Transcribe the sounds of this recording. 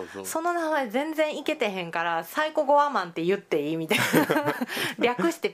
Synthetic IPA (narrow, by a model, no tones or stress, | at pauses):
so̞no̞naɡaezẽ̞nd͡zẽ̞ɰ̃ike̞t̪e̞ɦẽ̞ŋkaɾasaiko̞ɡo̞βamãnt̪e̞jɯ̟t̪ːe̞iːmʲit̪a | ɾʲakɯ̟ɕi̥t̪e